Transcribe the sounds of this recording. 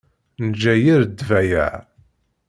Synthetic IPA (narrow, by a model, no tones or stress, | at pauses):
nəd͡ʒːæjiɾd̪ːvæjæ̰ʕ